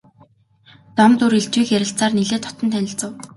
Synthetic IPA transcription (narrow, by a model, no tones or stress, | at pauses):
t͡s̪ɔmt̪uɾiɮt͡ɕwiːxjæɾʲɪ̆ɬt͡saːrniɮeːt̪ʰɔ̥t̪ɞ̆nt̪ʰænʲɪ̆ɬt͡sə̆w